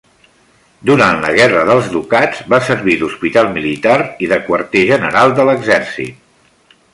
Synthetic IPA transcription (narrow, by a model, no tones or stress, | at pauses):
d̪uɾanlə̰ɣɛrəðəlˠzðukadd͡zβasəɾβiðuspit̪alˠmilit̪aɾiðəkwəɾt̪eʒənəɾalˠd̪ələɡzɛɾsḭt̪̚